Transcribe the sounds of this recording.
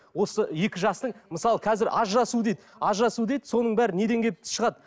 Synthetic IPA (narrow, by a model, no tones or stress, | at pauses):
wo̞səje̞kʲɪʒɑst̪əɴməsɑlˠəqʰɑzɪɾʔɑʒɾɑsud̪ejd̪ɪɑʒɾɑsud̪e̞jd̪so̞nəɴbæɾɪne̞d̪e̞ŋɡʲe̞ɪ̥ʃəʁɑd̪